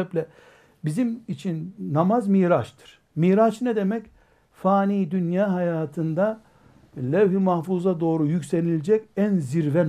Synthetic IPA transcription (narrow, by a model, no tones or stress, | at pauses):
ɛplʲɛ | bizimit͡ʃʰinːamazmiːɾat͡ʃt̪ʰɯ̥ɾ̥ | miːɾat͡ʃnɛd̪e̞mɛc | faːniːd̪ynjaːɦajaːt̪ʰɯnd̪a | lʲɛvhimahfuzad̪o̞ːɾujycʲsenilʲd͡ʒɛcænziɾvɛ